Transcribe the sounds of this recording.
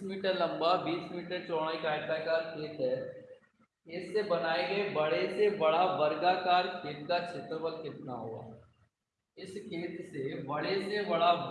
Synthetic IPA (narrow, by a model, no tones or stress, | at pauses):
miːʈəɾlɐ̃mbabiːsmiːʈəɾt͡ʃɔːɽ̃aikaːɪʈakaːɾkʰeːt̪ɦɛ | ɪsːebɐnaːeɡəebɐɽesebɐɽabɐɾɡakaːɾkʰeːt̪̚kat͡ʃʰet̪ɾəbəlkɪt̪naɦoːa̰ː | ɪskʰeːt̪sebɐɽesebɐɽa